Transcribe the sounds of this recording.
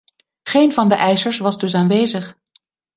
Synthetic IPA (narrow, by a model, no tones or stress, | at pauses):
χejnvɑndəʔɛjsəɹsʋɑzdɵs̬aːnʋejzəχ